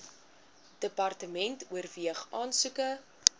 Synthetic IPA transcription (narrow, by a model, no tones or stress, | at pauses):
dəpɐrtəmɛntuərviəχʔɑːnsʉkə